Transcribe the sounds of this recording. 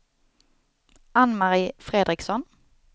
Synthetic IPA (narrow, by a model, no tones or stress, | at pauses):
anmaʁɪːfʁeːd̪ʁɪksɔn